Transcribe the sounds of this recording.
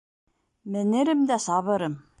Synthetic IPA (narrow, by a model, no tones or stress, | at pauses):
mɘ̆nɘ̆ɾɘ̆md̪æsɑβɤ̆ɾɤ̆m